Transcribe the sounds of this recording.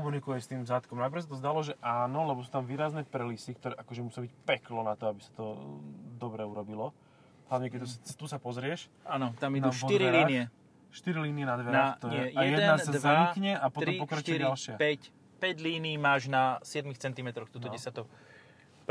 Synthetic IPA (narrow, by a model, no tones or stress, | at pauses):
kɔmunikujɛst̪iːmvzaːt̪kɔmnaɪp̬ɾ̩xs̬at̪ɔzd̪alɔʒɛʔaːnɔlɛbɔsuːt̪amʋiːɾaznɛpɾɛlisik̚t̪ɔɾɛːʔakɔʒɛmusɪiabicpɛklɔnat̪ɔabisḁt̪ɔd̪ɔbɾɛuɾɔbilɔ | ɦlaʋɲɛkɛust̪usapɔzɾɪɛʃ | anɔt̪amid̪uʃiɾiliːnɪɛ | ʃt̪iɾiliːniɛnad̪ʋɛɾnat̪ɔɲɪɛjɛjɛd̪ɛasd̪ʋzaɲikɲɛapɔt̪ɾɔmimpɔkɾatt͡ʃ̪ɛɾaalʃɪapɛc | pɛɟliːniːmaːʒnasɪɛd̪mixt͡sɛnt̪imɛt̪ɾɔxt̪uːt̪ɔɟɛsjat̪ɔ